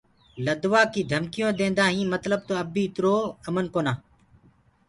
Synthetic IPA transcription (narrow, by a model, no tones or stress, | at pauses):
ləd̪ʋaːkiːd̪ʱəmkɪjõːd̪ẽːnd̪aːɦĩːmət̪ləb̚t̪oːəbiːɪt̪ɾoːəmənkoːnaː